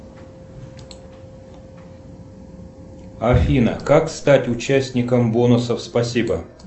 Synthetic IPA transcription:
ɐfʲinə̰kakst̪atʲʊt͡ɕæsʲnʲɪkəmbonʊsəfspɐsʲibə

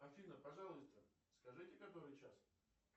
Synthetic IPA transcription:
ɐfʲinəpɐʐɑlˠəst̪ə | skɐʐɨtʲɪkakbɨvɨt͡ɕas

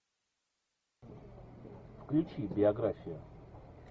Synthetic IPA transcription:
fklʲʉt͡ɕibʲɪɐɡɾafʲɪjʊ

